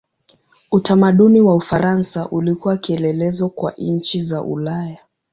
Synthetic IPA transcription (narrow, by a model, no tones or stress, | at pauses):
utamaɗuniwaufaɾansaʔulikuwakiɛlɛlɛzɔkwa̰ʔɲɲ̩t͡ʃizaʔṵlaja